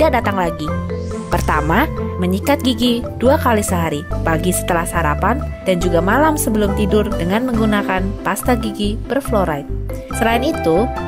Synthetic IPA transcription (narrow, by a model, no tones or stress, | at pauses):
dak̚dat̪aŋlaɡi | pərt̪amaməɲikat̪̚ɡiɡid̥uakalisəɦaɾibaɡisə̥t̪əlahsaɾa̰pand̥and͡ʒuɡamalamsəbəlʊmt̪idʊrdəŋanməŋɡunakanpast̪aɡiɡibərfloɾajt̪̚səlaɪnit̪u